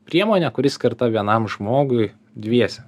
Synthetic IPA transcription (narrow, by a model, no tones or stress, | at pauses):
pʲɾʲiɛmoːnʲɛkʊɾʲɪskʲɐɾt̪ɐʋʲiɛnɐmʒmoːɡʊɪ | d̪ʲʋʲiɛsʲɛ